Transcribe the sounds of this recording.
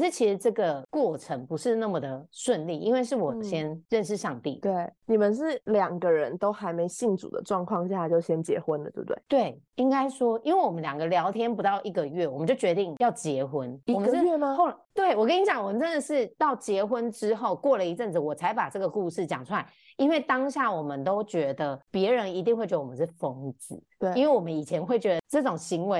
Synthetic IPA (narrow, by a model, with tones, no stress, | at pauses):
ʂɻ̩˥˧t͡ɕʰi˧˥ʂɻ̩˧˥ʈ͡ʂɤ˥˩ɡə˩kwɔ˥˩ʈ͡ʂʰə˧˥ŋpu˧˥ʂɻ̩˥˧na˥˩mə˨˩d̪ə˩ʂwə˥˧nli˥˩ḭ˥nwe˥˧ɪʂɻ̩˥˩wɔ˨˩ɕjɛ˥nɻə˥˧nʂ̬ɻ̩˥˧ʂɑ˥˧ŋt̪i˥˩t̪we˥˩ɪni˨˩mə˨nʂ̬ɻ̩˥˩ljɑ˨˩ŋɡə˦ɻə˧˦nt̪o˥ʊxa˧˥ɪme˧˥ɪɕi˥˩nʈ͡ʂṵ˨˩d̪ə̰˦ʈ͡ʂwɑ˥˧ŋkʰwɑ˥˧ŋɕja˥˨˩t͡ɕjo˥˩ʊɕjɛ˥nt͡ɕjɛ̰˧˥xwə˦˥nlə̰˨˩˥bt̪wḛ˥˩t̪we˥˩ɪi˥ŋka˥ɪʂwɔ˥i˧˥nwe˥˩wɔ˨˩mə˦nljɑ˨˩ŋɡə˦ljɑ˧˥ʊt̪ʰjɛ˥npu˧˥t̪ɑ˥˩ʊʔi˧˩ɡə˨ɥɛ˥˩wɔ˨˩mə˦t͡ɕo˥˩t͡ɕɥɛ˧˥t̪i˥˧ŋjɑ˥˩ʊt͡ɕjɛ˧˥xwə˦ni˧ɔ˨˥ɥɛ˥˩mə˧xo˥˧t̪we˥˩ɪwɔ˨˩kə˥ni˧˥ɕjɑ˨˦ŋwɔ˨˩mə˨˦nʈ͡ʂə˦nd̪ə˨ʂɻ̩˥˩t̪ɑ˥˩ʊt͡ɕjɛ˧˥xwə˦nʈ͡ʂɻ̩˥xo˥˧ʊkwɔ˥˩lə˨i˧ʈ͡ʂə˥˩nd͡z̩˨˩wɔ˨˩t͡sʰa˧˥ɪpa˨˩ʈ͡ʂɤ˥˩ɡə˩ku˥˧ʂɻ̩˥˩t͡ɕjɑ˨˩ŋʈ͡ʂʰu˥la˧˦ɪ | i˥nwe˥˩ɪt̪ɑ˥ŋɕja˥˩wɔ˨˩mə˦nt̪o˥ʊt͡ɕɥɛ˧˥d̪ə˨pjɛ˧˥ɻə˧˦ni˧˥t̪i˥˧ŋxwt͡ɕɥdə˧˩wm˧˦˩ʂfɤ˧˥ŋt͡sɹ̩˨˩˦i˥nwe˥˩ɪwɔ˨˩mə˦ni˨˩t͡ɕʰjɛ˧˥nxwe˥˩ɪt͡ɕɥɛ˧˥d̪ə˧˩ʈ͡ʂɤ˥˩ʈ͡ʂʊ˨˩ŋɕi˧˥ŋwe˧˦ɪ